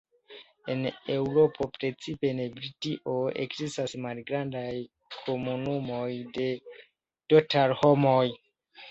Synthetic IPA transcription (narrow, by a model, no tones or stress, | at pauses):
e̞ne̞wɾo̞pʰo̞pɾe̞t͡sipe̞ne̞bɾitiʔo̞e̞̰kzistasmalɡɾandaj | kʰo̞munumo̞jde̞ | totaɾho̞mo̞j